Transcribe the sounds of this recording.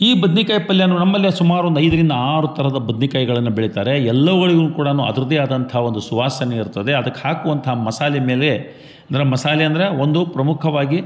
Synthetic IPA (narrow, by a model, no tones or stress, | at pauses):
iːbɐd̪nikajɐpɐljaːnunɐmːɐlːisumaːɾuʋond̪ɐjd̪ɐɾind̪ɐaːɾut̪ʰɐɾɐd̪ɐbɐd̪nikɐːjɡɐɭɐnːubeɭit̪aːɾe̞ɛlːɐʋɐɣɐɭiɡukuːɽɐnuːɐ̰d̪ɾud̪eaːd̪ɐnt̪ʰɐɦo̞nd̪usuʋaːsɐneiɾut̪ːɐd̪e̞ɐd̪ɐkːehaːkuʋɐnt̪ʰɐɦmɐsaːlɛme̞ːle̞ | ɐnd̪ɐɾemɐsaːlɛɐnd̪ɐɾeo̞nd̪upɾɐmukʰɐʋaːɡi